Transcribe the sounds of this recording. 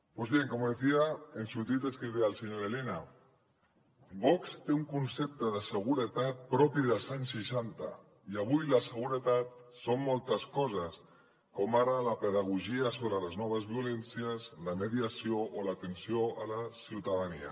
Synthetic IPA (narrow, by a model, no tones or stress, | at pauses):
pozβjeŋkomoðeθiaensut̪it̪eskɾiðealˠseɲoɾelena | bɔkst̪euŋkunsep̚t̪əðəsəɣ̞uɾət̪at̪̚pɾɔpiðəlˠzaɲsːiʃant̪a̰ | iaβujlasəɣ̞uɾət̪at̪somːɔlˠt̪əskɔzəs | komaɾalapəðaɣ̞uʒiasoβɾələznɔβəzβiulensiəslameðiasioʔolaːt̪ensijoʔalasiwt̪aðania̰